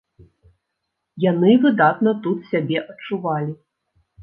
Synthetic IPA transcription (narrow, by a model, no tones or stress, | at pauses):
janɨvɨd̪at̪nɐt̪ut̪sʲabʲɛʔɐt͡ʂːuvalʲi